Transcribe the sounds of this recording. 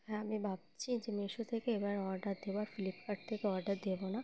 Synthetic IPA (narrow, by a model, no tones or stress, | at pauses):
ɦɛ̃amibʱab̚t͡ɕʰid͡ʑemeʃut̪ʰekeebaɾɔɾɖaɾd̪ebaɾfilipkaʈ̚t̪ʰekeɔɾɖaɾd̪ebona